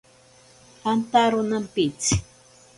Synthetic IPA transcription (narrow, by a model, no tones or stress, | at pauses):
ant̪aɾʊnampɪt͡s